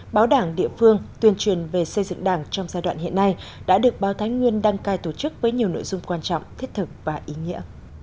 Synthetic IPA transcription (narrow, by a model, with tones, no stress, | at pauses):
ɓaː˨˦wɗaː˧˩ŋɗḭ˧˨əfɨ˧əŋt̪wi˧˩ənt͡ɕwi˨˩ənve˨˩sə˧jzɨ̰˧˨ŋɗaː˧˩ŋt͡ɕɔ˧wŋ͡mzaː˧jɗwa̰ː˧˨nhḭ˧˨ənːa˧jɗa̰ː˧˥ɗɨ˨˩ək̚ɓaː˨˦wt̪ʰa˨˦ŋ̟ŋwi˧ənɗa˧ŋkaː˧jt̪o˧˩t͡ɕɨ˦˥k̚vəː˨˦jɲi˨˩əwno̰˧˨jzʊ˧ŋ͡mkwaː˧nt͡ɕɔ̰˧˨wŋ͡mt̪ʰi˦˥t̚t̪ʰɨ˨˩k̚vaː˨˩ʔi˨˦ŋḭ˧˥ə